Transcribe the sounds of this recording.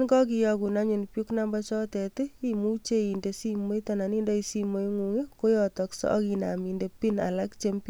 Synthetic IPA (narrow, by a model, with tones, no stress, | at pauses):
nkɔ˦k̬i˧jɔku˨na˦ɲu˨npjuknamba˦t͡ʃɔ˦tɛ˨teimu˦t͡ʃe˦i˨ndesi˦mo˦jtɔna˨ni˦ndɔ˦i˧simo˦jŋuŋeko˦jɔtɔksɔ̰ɔ̰kina̰˨minde˨pina̰˨lakt͡ʃempi